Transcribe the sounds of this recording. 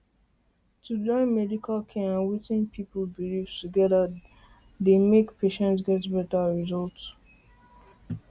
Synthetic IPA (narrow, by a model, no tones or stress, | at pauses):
tudɔ̃nmɛdikʰalkʰɛ̃ãnwitĩnpʰipəlbiliv̥tuɡɛda | demekpʰeʃɛ̃ntsɡɛtbɛtaɹizɔlts